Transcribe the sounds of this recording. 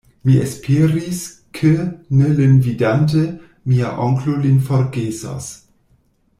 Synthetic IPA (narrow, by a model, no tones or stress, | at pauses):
miespʰeɾis | kʰenelenvidant̬e | mia̰ʔoŋklolinfoɾɡesa̰s